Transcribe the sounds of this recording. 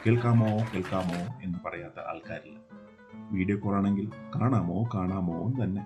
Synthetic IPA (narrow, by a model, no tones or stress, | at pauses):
keːɭkaːmokeːɭkaːmoːe̞nːɨpɐrɐjaːt̪ːɐ̰ʔɐ̰lkaːɾilːɐ | ʋiːɽiekːuːraːɳe̞ŋɡilkaːɳaːmoːkaːɳaːmo̰ːnt̪ɐnːe̞